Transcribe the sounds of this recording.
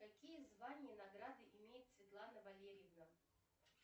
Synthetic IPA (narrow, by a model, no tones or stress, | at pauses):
kakʲijɛzvanʲɪjənaɡɾad̪ɨʔimʲejɪt̪sʲvʲɪt̪lˠanɐvalʲeɾʲɪjɛvnɐ